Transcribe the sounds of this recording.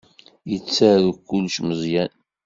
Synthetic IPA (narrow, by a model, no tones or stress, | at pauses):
jət͡sːæɾukːʊlʃməzˤjæn